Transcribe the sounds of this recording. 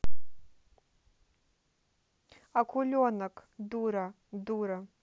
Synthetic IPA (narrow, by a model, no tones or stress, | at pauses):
akʷʰulʲonakʰduɾa | duɾa